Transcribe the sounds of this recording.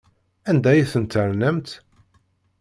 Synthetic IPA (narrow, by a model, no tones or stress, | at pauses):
ænd̪æjæθənt̪ːəɾnəmt̪